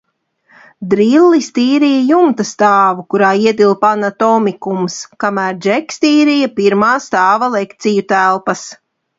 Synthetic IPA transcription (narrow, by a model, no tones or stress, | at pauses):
d̪ɾilːist̪iːɾijajumt̪ast̪aːvukuɾaːiɛd̪ilˠpanat̪ɔmikumskamæːɾd͡ʒɛkʲst̪iːɾijapiɾmaːst̪aːvalˠɛkt̪sijut̪ælˠpɐs